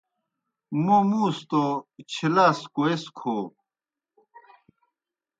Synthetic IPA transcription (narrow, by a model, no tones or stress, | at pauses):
mumũːst̪ot͡ɕʰilaːskoeskʰoː